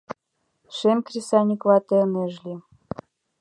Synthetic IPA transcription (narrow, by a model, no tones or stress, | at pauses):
ʃemʲkrʲisɑnʲiklɑt̪ĕnĕʒlʲi